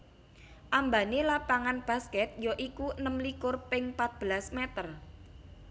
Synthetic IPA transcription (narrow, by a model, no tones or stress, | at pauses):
ʔambanelapaŋanb̥ä̤skɛt̪̚joʔikunəmlikʊrpɪŋpat̪̚b̥əlasmɛt̪ər